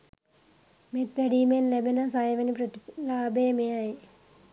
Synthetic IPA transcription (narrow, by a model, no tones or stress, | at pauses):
met̪ʋɛɖiːmenlebenasajeʋenipɾət̪ilaːbeːmejaj